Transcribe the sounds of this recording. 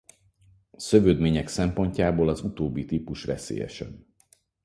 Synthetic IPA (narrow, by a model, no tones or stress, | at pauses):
sø̞vøːd̪meːɲɛksɛmpo̞ɲcaːboːlɒzut̪oːbːit̪iːpuʃvɛsḛːjɛ̰ʃɛ̰n